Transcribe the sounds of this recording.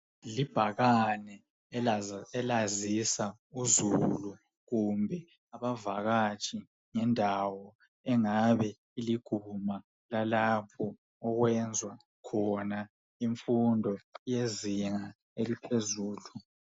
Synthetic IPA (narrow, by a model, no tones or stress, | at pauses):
lib̥ʱaɣanɛ | ɛlazisa | uzulu | ɣumbʱɛ | aβavaɣat͡ʃʰʼi | ŋɛndʱawɔ | ɛŋaβɛ | iliɡ̥ʱuma | lalapʰɔ | ɔɣwɛnd͡zʱwa | kʰɔna | iɱfundʱɔjeziŋa | elipʰezuːlu